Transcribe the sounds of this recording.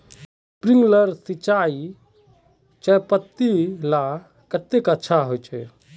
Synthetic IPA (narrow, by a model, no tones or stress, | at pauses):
pɾiŋɡləɾsit͡ʃai | t͡ʃəpət̪ːila | kət̪ekətːʃʰaɦojt͡ʃʰɛ̰